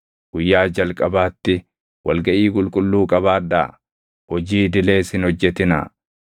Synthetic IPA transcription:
ɡ̥ʊjːaːd͡ʒɐlkʼɐbaːt̪ːɪ | wɐlɡɐʔiːkʼʊlkʼʊlːuːkʼɐβaːd̪a̰ː | hɔd͡ʒiːd̪ɪle̞ːsɪnhɔd͡ʒːɛt̪ɪna̰

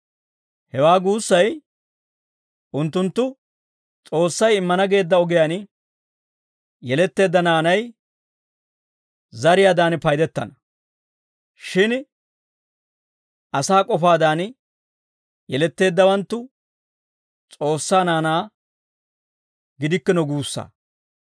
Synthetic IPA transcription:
hɛwaːɡuːsːɐj | ʔʊnt̪ːʊnt̪ːʊ | t͡sʼo̞ːsːɐjɪmːɐnɐɡe̞ːd̪ːɐɔɡɪjaːn | jɛlɛt̪ːe̞ːd̪ːɐnaːnɐj | zɐɾɪjaːd̪aːnpɐjd̪ɛt̪ːɐnɐ | ʃɪn | ʔɐsaːkʼɔfaːd̪aːn | jɛlɛt̪ːe̞ːd̪ːɐwɐnt̪ːʊ | t͡sʼo̞ːsːaːnaːnaː | ɡɪd̪ɪkːɪnɔɡuːsːa̰ː

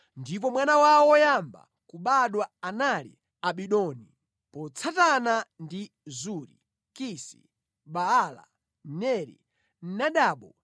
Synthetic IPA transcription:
ndip̬ɔmwanawawɔjamba̰ | kuɓaɗwaanalḭ | aɓiɗɔni | pɔt͡sʰatanandi | zuɾḭ | kisḭ | ɓaːla̰ | nɛɾḭ | n̩naɗaːɓɔ

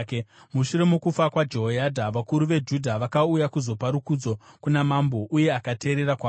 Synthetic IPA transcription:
muʃuɾe̞mukufakwad͡ʒo̞ɦojadʱaʋakuɾuʋe̞d͡ʒudʱaʋakaujakuzo̞paɾukud͡zo̞kunamambo̞ʔuje̞akate̞ːɾe̞ɾakwa

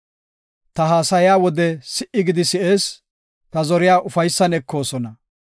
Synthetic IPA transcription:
t̪ɐɦaːsɐjjaːwɔd̪ɛsɪʔɪɡɪd̪ɪsɪe̞ːs | t̪ɐzɔɾɪjaːʔʊfɐjsːɐnɛkʰːo̞ːsɔnɐ

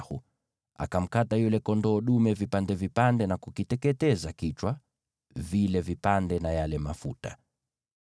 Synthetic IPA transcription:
hṵ | a̰kam̩katajulɛkɔndɔːɗumɛvipandɛvipandɛnakukitɛkɛtɛzakit͡ʃwa | vilɛvipandɛnajalɛmafṵta̰

